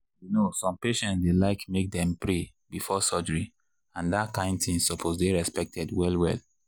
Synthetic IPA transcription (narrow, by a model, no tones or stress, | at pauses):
junosɔ̃mpeʃɛ̃ntsdelaɪkmek̚dɛ̃mpɹe | bifɔsɔd͡ʒɔɹi | ãndatkãɪ̃ndθĩŋsɔpʰosdeɹɛspɛk̚tʰɛdwɛlwɛ̰l